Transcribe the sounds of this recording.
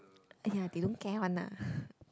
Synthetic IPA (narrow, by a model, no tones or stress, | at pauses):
jaːt̪ʰiɗʊŋkɛwʔanːa̰ː